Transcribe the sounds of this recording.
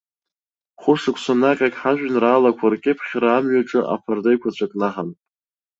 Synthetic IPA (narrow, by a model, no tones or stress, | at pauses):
χʷʊʂɨkʷʰʼsanaqʲʼakʼħaʒᶣnraːlakʷʰarkʲʼɪpʰχʲraːmɥaʈ͡ʂʼɨʔa̰pʰardajkʷʰat͡ɕʷʰakʼnaħan